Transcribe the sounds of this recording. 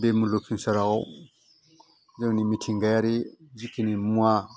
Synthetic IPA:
bemulokʰinsaɾao̰ | d͡ʒaŋnimitʰiŋɡajaɾid͡ʒikʰinimua

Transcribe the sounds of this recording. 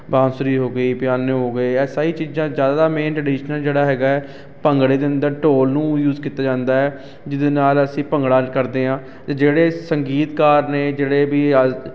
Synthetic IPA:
bãːsʊɾiːɦoːɡəiːpɪjaːneːɦoːɡeːɛːsaːiːt͡ʃiːzãːzjaːd̪aːd̪aːmẽːnʈɾəɖiːʃnəld͡ʒeːɽaːɦɛːɡaːɛː | pəŋɡɽeːd̪ɪnd̪eːʈoːlnũːjuːzkiːt̪aːd͡ʒãːnd̪aːɛː | d͡ʒɪd̪eːnaːləsĩːpəŋɡɽaːkəɾd̪eːɦãː | t̪ed͡ʒeːɽeːsəŋɡiːt̪kaːɾneːd͡ʒeːɽeːbiː

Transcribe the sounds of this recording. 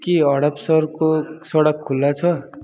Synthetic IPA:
kiʌɽʌpsʌrkosʌɽʌkʰːulːat͡sʰʌ

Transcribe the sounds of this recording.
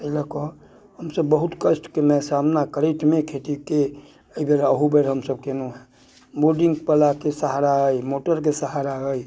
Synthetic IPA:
əiləkɔ | ɦəmsəbːəɦʊt̪kəsʈkemɛ̃samnakəɾeʈmẽkʰet̪ike | əibeɾəɦubeɾɦəmsəb̚kenuɦɛ | boɖɪ̃ŋɡpəlakesəɦaɾaɡəimoːʈəɾk̬esəɦaɾaɡəi

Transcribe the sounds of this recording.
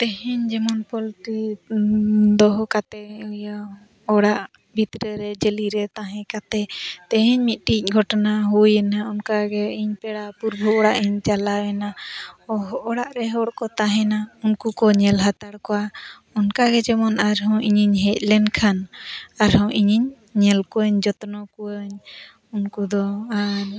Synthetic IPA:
t̪ɛɦɛɲd͡ʒɛmɔnpɔlʈi | d̪ɔɦɔkat̪ɛja | ɔɽaʔ | bʱit̪ɾəɾɛd͡ʒəliɾɛt̪aɦɛ̃kat̪ɛt̪ɛɦɛɲmit̪̚ˀʈic̚ˀɡʱɔʈɔnaɦujɛnaɔnkaɡɛiɲpɛɽapuɾbʱɔɔɽaʔiɲt͡ʃalawɛnaɔɦʔɔɽaʔɾɛɦɔɽkɔt̪aɦɛ̃naunkukɔɲɛlɦat̪aɽkɔwa | ɔnkaɡɛd͡ʒɛmɔnaɾɦɔ̃ʔiɲiɲɦɛc̚lɛnkʰanaɾɦɔ̃ʔiɲiɲː | ɛlkɔəɲd͡ʒɔt̪nɔkuəɲ | unkud̪ɔaɾ

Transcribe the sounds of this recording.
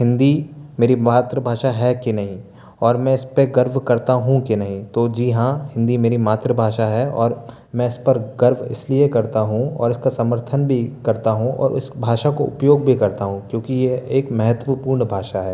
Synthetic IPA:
hɪ̃nd̪imeːɾimaːt̪ɾəbʱaːʃaɦɛkinɐɦĩ | ɔːɾmɛ̃ɪspeɡɐɾʋkɐɾt̪aɦũkinɐɦĩt̪oːd͡ʒiːɦãhɪ̃nd̪imeːɾimaːt̪ɾəbʱaːʃaɦɛɔ̰ːɾ | mɛ̃ɪspɐɾɡɐɾʋʱɪ̰sliekɐɾt̪aɦũɔ̰ːɾɪskasɐməɾt̪ʰənbʱikɐɾt̪aɦũɔ̰ːɾɪ̰sbʱaːʃakoʔʊ̰pjoːɡbʱikɐɾt̪aɦũkjõːkijeeːkmɐɦət̪wəpuːɾɳbʱaːʃaɦɛː

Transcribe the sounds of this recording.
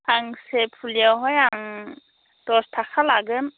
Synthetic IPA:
aŋsepʰulijawɦɔjaŋ | tɔstʰakʰalaɡɯn

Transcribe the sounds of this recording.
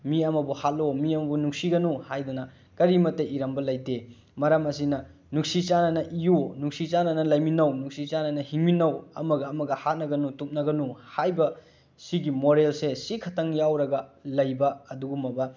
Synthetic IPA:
miɐmɐbuhat̚lomiɐmɐbunuŋsiɡɐnuhajdunɐ | kɐɾimɐtːɐʔiɾɐmbɐlɐjde | mɐɾɐmɐsinɐ | nuksit͡ʃanɐnɐʔijonuksit͡ʃanɐnɐlɐjminɐwnuksit͡ʃanɐnɐhiŋminɐwɐ̰mɐɡɐːmɐɡɐhat̚nɐɡɐnutup̚nɐɡɐnuhajbɐ | siɡimoɾelsesikʰɐtʰɐŋjawɾɐɡɐlɐjbɐːduɡumɐbɐ

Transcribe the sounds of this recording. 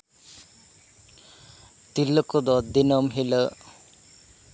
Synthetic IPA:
t̪ilːəkod̪ɔd̪ːinɔmɦilə

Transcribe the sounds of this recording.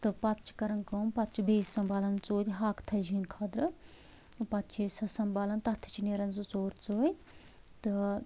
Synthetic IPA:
t̪ɨpɐt̪t͡ʃʰi̥kɐɾɐnkoːmpɐt̪t͡ʃʰibeːsɐmbaːlɐnt͡soːd̪ʲɦaːkt̪ʰɐld͡ʒinkʰɐd̪ɾɨ | pɐt̪t͡ʃʰisɐsɐmbaːlɐnt̪ɐt̪ʰi̥t͡ʃineɾɐnzut͡soːɾt͡soːj | t̪ɨ

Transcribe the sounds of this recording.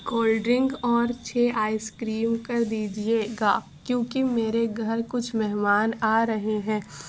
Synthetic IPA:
koːlɖɾɪ̃ŋɡɔːɾt͡ʃʰeːʔaːiskɾiːmkɐɾd̪iːd͡ʒieɡaː | kjõːkimeːɾeɡʱɐɾkʊt͡ʃʰmɛɦmaːnaːɾɐɦeɦɛ̃ː

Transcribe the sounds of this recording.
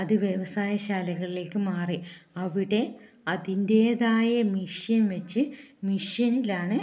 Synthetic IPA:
ɐðɨʋjeʋɐsaːjɐɕaːlɐɣɐɭile̞ːkːɨmaːriɐʋiɽe̞ | ɐðinde̞ːðaːjɐmiʂjɐnʋet͡ɕːɨmiʂjɐnilaːɳɨ

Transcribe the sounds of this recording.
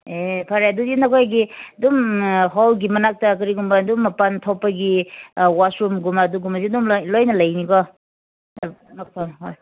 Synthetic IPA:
epʰaɾajadudinɐkʰojɡidumɦawɡimɐnak̚tɐkɐɾiɡumbadumːɐpantʰɔpːaɡiwasɾumɡumaduɡumasidumlojnɐlɐjnikɔ | nak̚pʰaɦoj

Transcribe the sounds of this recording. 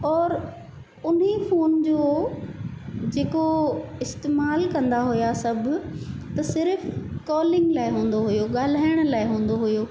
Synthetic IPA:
ɔːɾ | ʊnifoːnd͡ʑoː | d͡ʑeːkoɪst̪eːmaːlkɐ̃nd̪aɦʊjasɐbʱʊ̆t̪ɐsɪɾfkɔːlɪ̃ŋɡlaːɪɦũːn̆d̪oɦʊjoɠaːl̤aːɪəɽ̃laːɪɦũːn̆d̪oɦʊjoː

